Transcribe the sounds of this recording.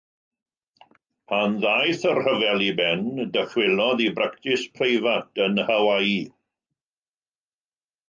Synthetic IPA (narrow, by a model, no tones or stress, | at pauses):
pʰanðajθərhəvɛlˠibɛndəfwɪlˠɔðibɾaktɪspʰrejvatʰənhawaiː